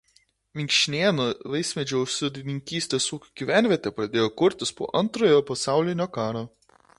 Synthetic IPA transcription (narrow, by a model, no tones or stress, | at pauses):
ʋʲɪŋʲkʃʲɪnʲeːnoʋɐɪsʲmʲɛd͡ʒʲoʊʃsʲɪd̪ʲɪnʲɪŋʲkʲiːsʲt̪ʲeːsuːkʲʊɡ̥ʲiʋʲæˑnʲʋʲiɛt̪ʲɛpɾɐd̪ʲeːjoːkʊɾʲt̪ʲɪspo̰ːʔɐnˑt̪ɾoːjoːpɐsɑˑʊlʲɪnʲoːkɑːɾoː